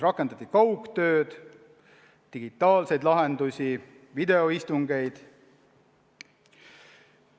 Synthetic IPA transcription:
rɑkːˑe̞nd̪̥ɑt̪ʲːikɑwkt̪ø̞ːd̪̥ | t̪iɡ̥it̪ˑːɑːlse̞jd̪lɑɦe̞nd̪usʲi | vid̪e̞o̞ist̪uŋɡe̞jd̪̥

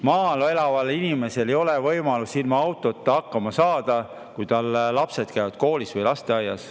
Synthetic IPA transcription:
mɑːloe̞lɑvɑlinime̞se̞le̞jo̞le̞vɤjmɑlusilmɑɑwt̪ːˑo̞t̪ːɑhɑkːɑmɑsɑːd̪̥ɑ | kujt̪ɑlːɑpse̞d̪̥kæjvɑd̪̥ko̞ːlisvɤjlɑst̪e̞ɑjːɑs

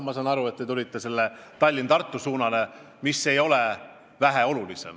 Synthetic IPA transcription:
mɑsɑnɑɾue̞t̪t̪ːe̞t̪ulʲit̪ːe̞se̞lːet̪ɑlʲːint̪ɑrt̪ːˑusuːnɑle̞ | misːe̞jo̞le̞ | væɦeo̞lulise̞̰m

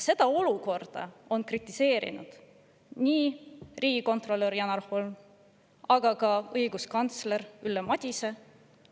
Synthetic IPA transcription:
se̞d̪ɑo̞luko̞rd̪̥ɑ̰o̞nkrit̪ˑːise̞ːɾḭnṵd̪̥ | niːriːɡiko̞nt̪ˑro̞lːeɾjɑnɑɾholn | ɑɡ̥ɑkɑɤjɡuskɑnt̪sle̞ɾylːemɑd̪̥ʲise̞

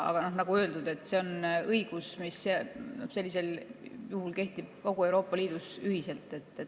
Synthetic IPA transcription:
ɑ̰ɡ̥ɑno̞hnɑɡ̥uø̞ːld̪̥ud̪̥e̞t̪ːˑse̞o̞nɤiɡ̥usmisːeno̰hse̞lʲːis̬e̞ljuhulke̞ht̪ib̥̚ko̞ɡ̥ue̞wɾo̞ːpːˑɑliːd̪̥usyhise̞lt̪ːˑe̞t̪ˑːe

